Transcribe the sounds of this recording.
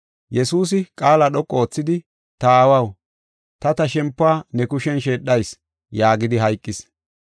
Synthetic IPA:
jɛsuːs̬ɪkʼaːlaɗɔkʼːoːt͡sːɪd̪ɪ | t̪ɐaːwɐw | t̪ɐt̪ɐʃɛmpːaːnɛkʊʃɛnʃeːɗːɐjs | jaːɡɪd̪ɪɦɐjkʼːɪs

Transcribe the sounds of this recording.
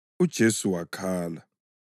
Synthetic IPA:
ud̥ʒ̥ʱesuwakʰaːla

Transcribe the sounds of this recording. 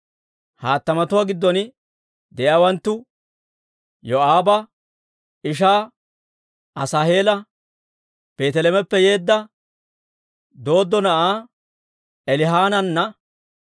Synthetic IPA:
haːt̪ːɐmɐt̪ʊwaːɡɪd̪ːɔnɪ | d̪ɛʔawɐnt̪ːʊ | jɔʔaːbɐ | ɪʃ̬aː | ʔɐsaːhe̞ːlɐ | b̥e̞ːt̪ɛlɛmɛpːɛje̞ːd̪ːɐ | d̪o̞ːd̪ːɔnɐʔaː | ɛlɪɦaːnɐnːɐ

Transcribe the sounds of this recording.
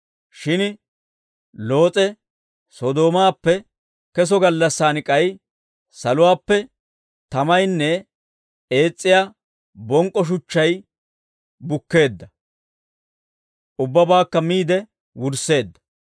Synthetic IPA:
ʃɪn | lo̞ːt͡sʼɛ | sɔd̪o̞ːmaːpːɛ | kɛs̬ɔɡɐlːɐsːaːnɪkʼɐj | sɐlʊwaːpːɛ | t̪ɐmɐjnːɛ | e̞ːt͡sʼːɪjaː | bɔŋkʼːɔʃ̬ʊt͡ʃːɐj | bʊkːe̞ːd̪ːɐ | ʔʊbːɐbaːkːɐmiːd̪ɛ | wʊɾse̞ːd̪ːɐ̥

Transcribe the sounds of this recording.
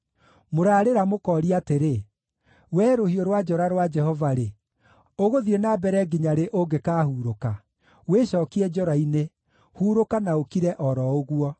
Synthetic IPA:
moɾaːɾeɾamokɔɾiateɾe | wɛːɾohioɾwad͡ʒɔɾaɾwad͡ʒɛhɔvaɾe | oɣoðienabɛɾɛɡiɲaɾeʔoɡekaːhuːɾoka | weɕɔːkiɛd͡ʒɔɾaine | huːɾokanaokiɾɛʔɔɾɔoɣuɔ

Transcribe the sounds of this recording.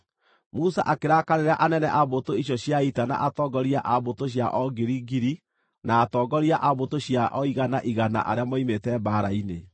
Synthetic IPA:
musa̰ʔakeɾakaɾeɾaʔanɛnɛʔaβotoiɕjɔɕjaitana̰ʔatɔɡɔɾiaʔaβotoɕ̬jaʔɔɡeɾiɡiɾi | naːtɔːɡɔɾiaʔaβotoɕjaʔɔiɣanaʔiɣana̰ʔa̰ɾeamɔimetɛbaɾaine

